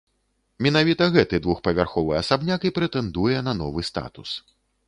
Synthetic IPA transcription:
mʲɛnavʲit̪ɐɣɛt̪ɨd̪vuxpɐvʲarxɔvɨɐsabnʲakipɾɛt̪ɛnd̪ujɛnɐnɔvɨst̪a̰t̪us

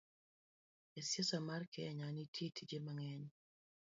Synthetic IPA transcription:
esjasamarkɛɲanitʰetʰid͡ʒemaŋɛɲ

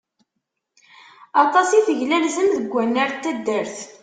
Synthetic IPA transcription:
ɑt̪ˤɑsiθəʝlælzəmðəɡʷːænːəɾt̪ːæd̪ːəɾθ

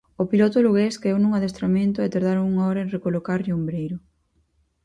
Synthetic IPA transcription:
opilot̪oluɣeskeewnũŋaðest̪ɾamẽnt̪ʊɛt̪aɾðaɾoŋuŋaɔɾɐenrekolokaɾombɾejɾʊ

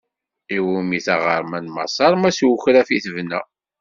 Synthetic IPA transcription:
iwumiθɑʁə̰ɾˤmænmɑ̰sˤɑɾˤmæswuçɾæfiθəvnæ̰

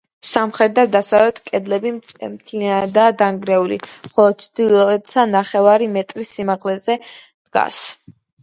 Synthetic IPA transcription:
samχɾɛd̪ad̪asavɛt̪ʰkʼɛd̪lɛbimt̪ʰliad̪aːd̪aŋɡɾɛulḭχɔlˠɔd̪̚t̪sʰd̪ilˠɔɛt̪sʰanaχɛvaɾimɛt̪ʼɾisimaʁlɛzɛ | d̪̥ɡa̰s

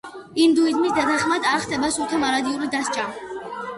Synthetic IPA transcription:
imd̪uid̪misd̪at̪ʰaχmad̪aɾχt̪ɛbasɔt̪ʰɛmaɾad̪iulid̪ast͡ʃʼa

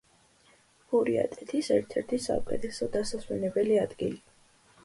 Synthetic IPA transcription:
huɾia̰t̪ʼɛt̪ʰisɛɾt̪ʰɛɾt̪ʰisa̰ukʼɛ̰t̪ʰɛsɔd̪asasmɛnɛbɛliad̪̥ɡili

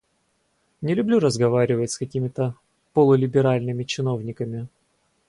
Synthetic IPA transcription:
nʲɪlʲʊblʲuɾəzɡɐvaɾʲɪvətʲskɐkʲimʲɪt̪ə | pəlˠəlʲɪbʲɪɾalʲnɨmʲɪt͡ɕɪno̞vnʲɪkəmʲɪ

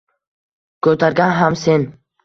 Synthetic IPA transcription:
kʰɵt̪ʰaɾɡʲanɦamsen

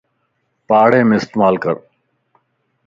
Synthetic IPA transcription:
paːɽẽːmẽːɪst̪ːmaːlkə̰ɾ

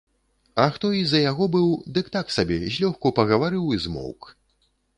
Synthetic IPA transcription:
ɐxt̪ɔizɐjaɣɔbɨwd̪ɨkt̪aksabʲɛzʲlʲɔxkupɐɣɐvaɾɨwizmɔ̰wk

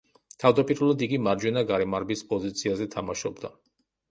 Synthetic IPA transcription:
t̪ʰavd̪apʼiɾɛlˠad̪iɡimaɾd͡ʒwɛnaɡaɾɛmaɾbispʼɔzit̪sʰiazɛt̪ʰamaʃɔbd̪a̰

